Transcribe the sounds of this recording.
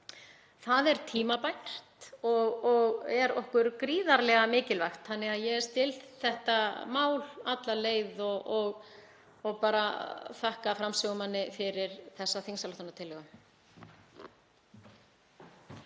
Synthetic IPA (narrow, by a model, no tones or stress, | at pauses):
θaðɛɾ̥t̪ʰiːmapaj̪r̥t̪ɔɣɔɣɛɾɔ̰hkʏɾkɾiːðaɾlɛɣamɪːcɪlvajxt̪θanːɪɣaðjɛɣɛɾ̥st̪ɪlt̪θɛht̪amaːwlat̪laleːjðɔɔɣ | ɔɣpaːɾaθahkafɾamsœɣʏmanːɪfɪɾɪɾ̥θɛsːaθinsaloht̪anːat̪ʰɪlːɛɣa